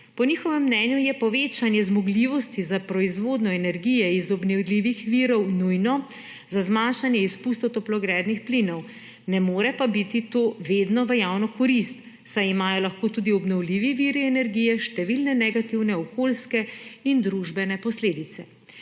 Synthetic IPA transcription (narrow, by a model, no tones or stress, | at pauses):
pɔnixɔʋɛmːnɛnjujɛpɔʋeːt͡ʃanjɛzmɔɡliʋɔst̪izapɾɔizʋoːd̪nɔɛnɛɾɡijɛizɔbnɛwliːʋixʋiɾɔwnujnɔ | zazmanʃanjɛispust̪ɔt̪ɔplɔɡɾɛːd̪nixplinɔw | nɛmoːɾɛpabit̪it̪oʋeːd̪nɔʋəjawnɔkɔɾist̪ | sajimaːjɔlaxkoːt̪uːd̪iɔbnɔwliːʋiʋiːɾiɛnɛɾɡiːjɛʃt̪ɛʋilnɛnɛɡat̪iwnɛɔkoːlskɛind̪ɾuʒbɛnɛpɔsleːd̪it̪sɛ